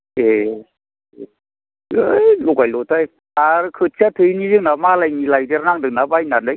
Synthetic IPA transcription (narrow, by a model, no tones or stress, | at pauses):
e | ɯlɔɡajlɔtaj | aɾkʰɯt͡ʃʰatʰɯjnizɯŋnamalajnilajdeɾnaŋdɯŋ̚nabajnandɯj